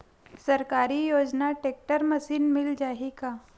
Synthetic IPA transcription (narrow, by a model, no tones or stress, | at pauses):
səɾkaɾiːjod͡ʒnaʈek̚ʈəɾməsiːnmild͡ʑaɦika